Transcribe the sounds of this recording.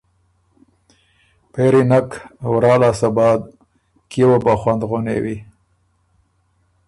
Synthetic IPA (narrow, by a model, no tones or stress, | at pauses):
peɾinakwɾɑːlɑːsabɑːd̪ | kewobaxwand̪ɣonḛwi